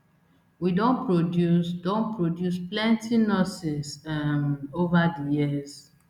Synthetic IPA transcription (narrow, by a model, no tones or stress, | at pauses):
widõnpɹodjusdõnpɹodjusplɛ̃ntinɔsɪsmovadijiz